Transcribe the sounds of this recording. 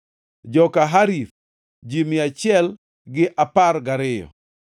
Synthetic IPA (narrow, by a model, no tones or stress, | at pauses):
d͡ʒɔkaɦaɾiθ | d͡ʒimɪat͡ʃɪɛl | ɡɪʔapaɾɡaɾɪjɔ̰